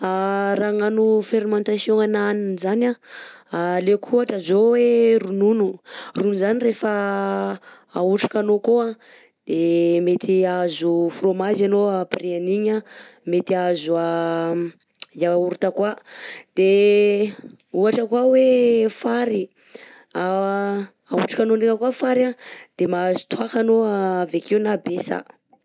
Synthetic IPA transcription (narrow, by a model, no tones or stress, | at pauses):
araŋanufeɾimãnt̪asijõŋananinzanaalekʰuaʈ͡ʂəzowerununurunzanirefa | auʈ͡ʂḁkanokoa | d̪̥emet̪ʰiazufromazanoapreaniɲamet̪iazua | iauɾut̪akwad̪̥e | uaʈ͡ʂəkwawefaɾi | a | auʈ͡ʂḁkanonikakwafaɾad̪̥emazu̥t̪uakanoavekewnabesa̰